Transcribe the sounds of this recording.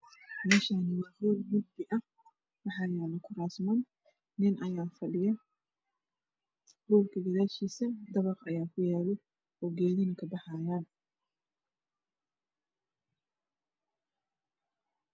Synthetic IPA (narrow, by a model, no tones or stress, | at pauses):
mɛːʃaːnɪwɑːɡɔːlmʊd̪bɪʔɐ | wɑħɑːjaːlɐkʰʊɾaːsmɐn | nɪnʔɐjaːfɐɖɪjɐ | ɡɔːlkʰɐɡɐðaːʃiːsɐd̪ɐβɐqɐjaːkʰʊjaːlɛ | ɔɡɛːðɪnɐkʰɐbɑħɑjaːn